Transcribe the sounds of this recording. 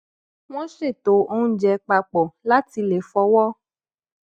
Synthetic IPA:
w̃ɔ̃˦ʃe˦˨to˨˦o˧ũ˧˦d͡ʒɛ˨˧k͡pa˧k͡pɔ˨la˦ti˧le˨fɔ˧wɔ˦

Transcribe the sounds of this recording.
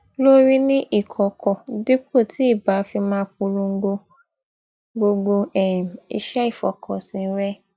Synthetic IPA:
lo˦ɾi˦nĩ˦ʔi˦˨kʰɔ˨kʰɔ˨di˦k͡pʰo˦˨tʰi˨˦i˦˨ba˨˦fi˧mãː˦˧k͡p̚u˧ɾũ˧ŋ̩˦ɡ͡bo˧ | ɡ͡bo˧ɡ͡bo˧ɛ˦˨m˨ḭ˨ʃɛ˦i˦˨fɔ̰˨kʰɔ˨sĩ˨˧n̩˦ɾɛ˦

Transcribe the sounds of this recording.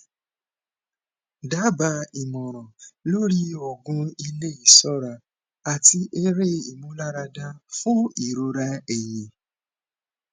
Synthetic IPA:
da˦ba˧i˨mɔ̃˨ɾ̃ɔ̃˨lo˦ɾi˦o˨ɡũ˦i˧le˦i˨sɔ˦ɾa˧ | a˨ti˧ʔe˦ɾe˦i˨mũ˦la˦ɾa˧dã˦fũ˦i˨ɾo˧ɾa˦e˦˨je˨˦

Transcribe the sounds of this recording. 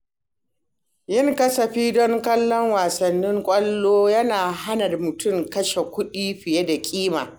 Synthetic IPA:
jɪ˦ŋkɐ˦sɐ˨ɸiː˦dɔ˦ŋkɐ˦lːɔ˦ŋwaː˨sɐ˨nːɪ˦ŋkʷʼɐ˦lːoː˦jɐ˦naː˨ɦa˦nɐ˨rmʊ˨tʊ˦˨mkɐ˦ʃe˨kʷʊ˦ɗiː˦ɸɪ˨je˦da˨kʲʼiː˦ma̰ː˨

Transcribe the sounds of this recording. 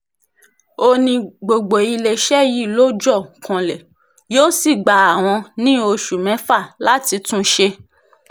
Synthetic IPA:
o˧nĩ˧ɡ͡bo˨ɡ͡bo˨i˧le˧ʃɛ˦ji˦˨lo˦d͡ʒɔ˦˨kʰã˨lɛ˨ | joː˦si˦˨ɡ͡ba˨a˨w̃ɔ̃˧nĩ˦o˧ʃu˨mɛ̃˨˦fa˦˨la˦ti˧tũ˦ʃe˧

